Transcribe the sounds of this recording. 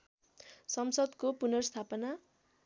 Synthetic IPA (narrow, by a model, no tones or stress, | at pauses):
sʌmsʌd̪kopunʌrʌst̪ʰapʌna